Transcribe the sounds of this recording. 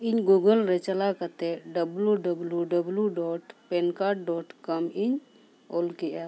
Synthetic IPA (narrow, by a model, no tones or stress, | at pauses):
iɲɡuɡəlɾɛt͡ʃalakat̪ɛɖəbluɖəbljuɖəbljuɖɔʈpɛnkaʈ̚ɖɔʈkɔmiɲ | olkiʔa